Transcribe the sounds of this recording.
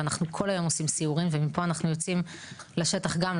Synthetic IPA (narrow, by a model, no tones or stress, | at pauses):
anaχnukʰo̞lajo̞mosimsiuʁimvemipo̞anaχnujo̞t͡sim | laʃe̞t̪aχɡam